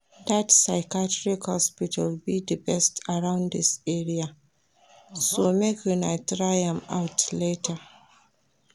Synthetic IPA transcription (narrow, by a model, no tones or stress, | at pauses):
datsaɪkatɹikhɔspitʰəlbidəbɛstaɹãʊ̃ndisɛɹia | somekʰjunaɪtɹaɪɛ̃ma̰ʊtletʰə